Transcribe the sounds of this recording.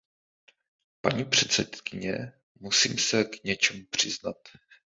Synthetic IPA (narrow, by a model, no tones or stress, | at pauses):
paɲiːpr̝̥ɛt̪sɛt̪kɪɲɛ | musḭːmsɛkɲɛt͡ʃɛmupr̝̥ɪznat̪